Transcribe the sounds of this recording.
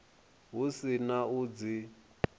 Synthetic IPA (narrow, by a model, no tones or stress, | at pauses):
ɦusinaud͡zi